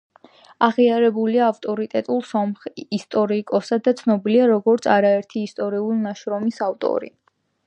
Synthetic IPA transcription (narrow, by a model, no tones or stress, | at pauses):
aʁiaɾɛbuliaːft̪ʼɔɾit̪ʼɛt̪ʼulˠsɔmχist̪ʼɔɾikʼɔsad̪at̪sʰnɔbiliaɾɔɡɔɾt̪sʰaɾaɛɾt̪ʰiːst̪ʼɔɾiulnaʃɾɔmisavt̪ʼɔ̰ɾḭ